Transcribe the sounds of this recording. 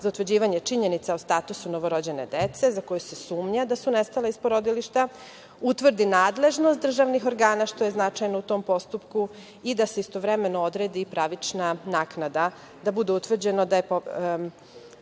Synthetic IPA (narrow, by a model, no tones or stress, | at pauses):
zaut̪ʋrd͡ʑiːʋaɲet͡ʃiɲe̞nit̪saost̪at̪usuno̞ʋo̞ɾo̞d͡ʑe̞ne̞d̪et̪se̞zako̞juse̞suːmɲad̪asunest̪alaispoɾod̪iliʃt̪a | ut̪ʋr̩d̪inaːd̪le̞ʒnost̪̚d̪r̩ʒaʋnixo̞ɾɡaːnaʃt̪o̞jeznat͡ʃajnout̪o̞ːmpo̞st̪upku | id̪aseist̪o̞ʋɾe̞me̞nood̪ɾed̪ipɾaʋit͡ʂnanaːknad̪a | d̪abud̪eut̪ʋr̩d͡ʑe̞nod̪ajepo